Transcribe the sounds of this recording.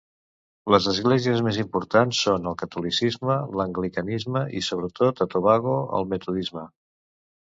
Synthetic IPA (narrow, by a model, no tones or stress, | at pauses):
ləzəzɣlɛziəzmezimpuɾt̪ansːonəlˠkət̪ulisizmələŋɡlikənizməḭsoβ̞ɾət̪ot̪ət̪oβaɣoə̰lˠmət̪uðizmə